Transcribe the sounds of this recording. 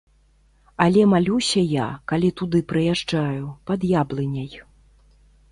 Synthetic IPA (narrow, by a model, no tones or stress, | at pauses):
ɐlʲɛmalʲusʲɐja̰kalʲit̪ud̪ɨpɾɨjaʐd͡ʐajupɐd̪jablˠɨnʲɐj